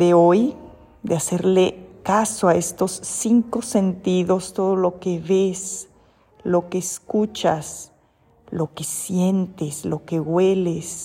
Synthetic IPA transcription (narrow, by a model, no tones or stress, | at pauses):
d̪eoj | d̪ease̞ɾlekasoae̞st̪o̞sːiŋko̞sent̪iðo̞st̪o̞ðolo̞keβes | lo̞keːskut͡ʃas | lo̞kesje̞nt̪eslo̞ke̞ɣwe̞les